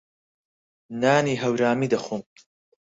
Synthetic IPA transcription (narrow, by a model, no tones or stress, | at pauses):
naːniːɦɐwɾaːmid̪ɐχum